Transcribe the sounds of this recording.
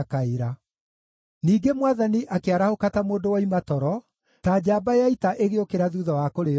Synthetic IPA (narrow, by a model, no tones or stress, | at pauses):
kaeɾa | niːɡemwaðaniʔakeaɾahokatamoːdowaimatɔɾɔ | taːd͡ʑaːbajaitaʔeɣeokeɾaðuːðɔwakoɾe